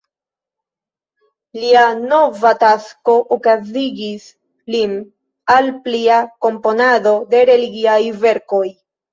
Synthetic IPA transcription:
liano̞vatasko̞ʔokaziɡis | lin | alpliako̞mpo̞nado̞de̞ɾe̞liɡiajve̞ɾko̞j

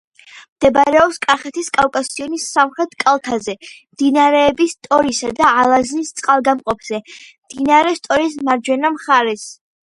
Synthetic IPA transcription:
md̪̥ɛbɾɛɔpskʼaχɛt̪ʰiskʼalkʼasiɔnisːamχɾɛt̪ʰkʼalˠt̪ʰazɛmd̪̥inaɾɛːbist̪ʼɔɾisad̪aːlˠaznist̪sʼqʼalˠɡamqʼɔpʰz̥ɛmd̪̥inaɾɛst̪ʼɔɾis̬maɾd͡ʒwɛnamχaɾɛs

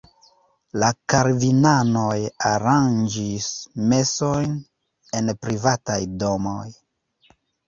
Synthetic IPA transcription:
lakaɾvinano̞jaɾand͡ʒisme̞so̞jn | e̞npɾivatajdo̞mo̞̰j

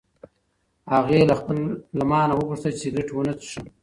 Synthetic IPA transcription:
haɣelaxpəlːamɑːnawəɣuʂt̪ət͡ʃeɾɪʈwənat͡sʂə

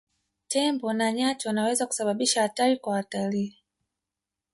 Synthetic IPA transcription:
tɛmbɔnaɲat͡ʃɔwanawɛzaku̥saɓaɓiʃahataɾikwawataliː

